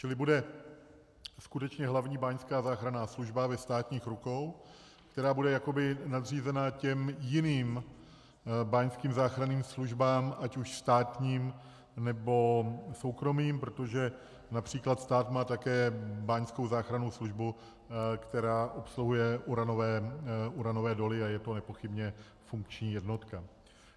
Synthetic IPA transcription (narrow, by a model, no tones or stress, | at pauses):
t͡ʃɪlɪbudɛ | skut̪ɛt͡ʃɲɛɦlavɲiːbaɲskaːzaːxɾanaːsluʒbavɛst̪aːt̪ɲiːxɾuko̞w | kt̪ɛɾaːbudɛjako̞bɪnad̪riːzɛnacɛmjɪniːm | baːɲskiːmzaːxɾaniːmsluʒbaːmʔacuʃst̪aːt̪ɲiːm | nɛbo̞so̞wkɾo̞miːmpɾot̪o̞ʒɛ | napr̝̥iːklat̪st̪aːt̪maːt̪akɛːbaːɲsko̞wzaːxɾanowsluʒbu | kt̪ɛɾaːʔo̞psluɦujɛʔuɾanovɛːʔuɾano̞vɛːdo̞lɪajɛt̪o̞nɛpo̞xɪbɲɛ | fuŋkt͡ʃɲiːjɛdno̞t̪ka